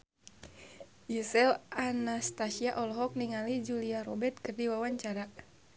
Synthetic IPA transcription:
isɛlanast̪asiaʔɔlɔɦɔk̚niŋalid͡ʒuliaɾɔbɛt̪̚kɨrdiwawaɲt͡ʃaɾa

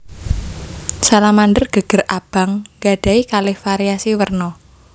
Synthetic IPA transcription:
salamanɖərɡ̥ə̤ɡ̥ə̤rʔab̥a̤ŋɡa̤ɖ̥a̤ikalɪhfaɾiasiwərnɔ

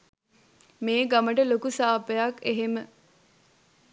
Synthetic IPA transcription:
meːɡaməʈəlokusaːpəjakːeɦemə

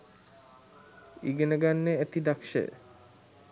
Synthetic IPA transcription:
ḭɡeneɡanːeæt̪id̪akʃḛ

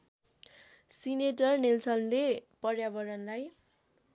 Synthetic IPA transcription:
sineʈʌrnelsʌnlepʌrjabʌɾʌnlaj

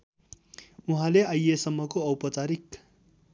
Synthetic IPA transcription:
uɦãleajesʌmːʌkoʌwpʌt͡saɾik

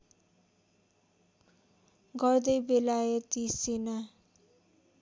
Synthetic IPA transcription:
ɡʌrd̪ʌjbelajʌt̪isena

